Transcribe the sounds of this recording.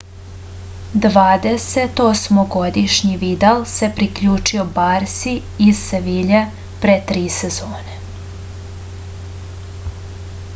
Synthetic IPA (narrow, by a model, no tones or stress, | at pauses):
d̪ʋaːd̪eset̪osmoɡod̪iʃɲiʋid̪alse̞pɾikʎuːt͡ʂiobaɾsi | iz̥seʋiʎe | pɾet̪ɾiːsezoːne